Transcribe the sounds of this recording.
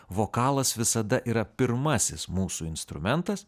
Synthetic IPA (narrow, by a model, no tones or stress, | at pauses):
ʋoːkɑːlˠɐsʋʲɪsɐd̪ɐʔiːɾɐpʲɪɾmɐsʲɪsmuːsuːɪnst̪ɾʊmʲɛnt̪ɐs